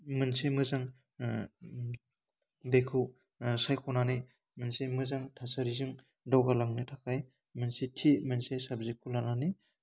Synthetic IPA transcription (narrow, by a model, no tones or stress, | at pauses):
mɯnsimɯzaŋ | bekʰɯw | sajkʰɔnani | mɯnsemɯzaŋtʰasaɾizɯŋ | dawɡalaŋnitʰakʰaj | mɯnsitʰimɯnsesabzikʰulanani